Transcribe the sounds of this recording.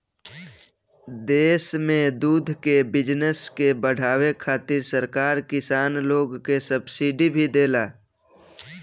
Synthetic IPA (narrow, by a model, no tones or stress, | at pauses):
d̪eːsmẽd̪uːd̪ʱkebɪd͡ʒnəskebəɽ̤aːwekʰaːt̪ɪɾsəɾkaːɾkɪsaːnloːɡkesəbsiɖibʱid̪eːlaː